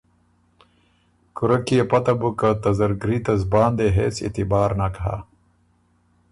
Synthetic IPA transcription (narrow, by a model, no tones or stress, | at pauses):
kuɾɐkiepɐt̪ɐbukat̪ɐzɐɾɡɾit̪ɐzbaːnd̪eɦeːsḭt̪ibaːɾnakɐɦa̰ː